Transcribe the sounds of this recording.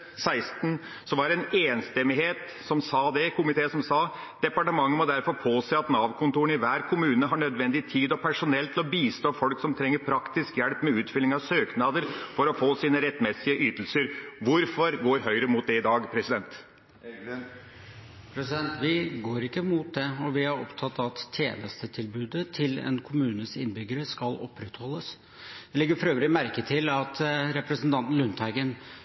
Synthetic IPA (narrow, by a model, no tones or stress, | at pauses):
sæɪst̪n̩ | sɔʋɑɾɛneːnst̪ɛmɪɦeːt̪ | sɔmsɑːd̪ɛkʰʊmɪt̪ʰeːsɔmsɑː | d̪̥ɛpɑʈəmɑŋːənmɔd̪æɾfɔɾpʰoːseːɑt̪nɑːʋkʰʊnt̪uːɳɪʋæːɾkʰʊmʉːnəɦɑɳœd̪ʋɛnd̪ɪt̪ʰiːd̪ɔpʰæʂʊnɛlt̪ʰɪlɔbiːst̪oːfɔlksɔmt̪ʰɾɛŋːəɾpʰɾɑkt̪ɪskjæɽpːmɛʉːt̪fʏlɪŋɑʋsøːknɑːd̪əɾfɔɾɔfoːsiːnəɾɛt̪ːmɛsɪəʔyːt̪əlsəɾʋʊɾfɔɾɡoːɾɦœʏɾəmuːt̪̚d̪ɛɪd̪ɑːɡpʰɾɛsɪd̪ɛnt̪ | pʰɾɛsɪd̪ɛnt̪ʋɪɡoːɾɪkːəmuːt̪̚d̪ɛɔʋɪhɑɾɔ̰pt̪ʰɑt̪ːɑt̪ʰːjḛːnəst̪ət̪ʰɪlbʉːd̪ət̪ʰɪlɛ̰nkʰʊmʉːnəsɪnːbʏɡəɾəskɑlɔpːɾɛt̪hɔlːəs | d̪̥ɛlɪɡəɾfɔɾøːʋɾɪmæɾkət̪ʰɪlɑt̪ɾɛpɾəsən̩t̪ɑnt̪n̩lʉnt̪ʰɑɪɡən